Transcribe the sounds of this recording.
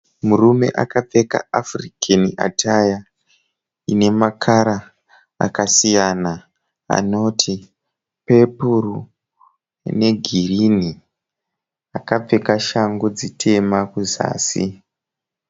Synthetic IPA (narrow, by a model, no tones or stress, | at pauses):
murume̞̰ʔakap͡fe̞ka̰afrikʰania̰tʰaja | ine̞makʰaɾa̰ː | kasijana | a̰no̞tʰi | pe̞puru | ne̞ɡʱirini | akap͡fe̞kaʃaŋɡod͡zitʰe̞makuza̰ːsḭ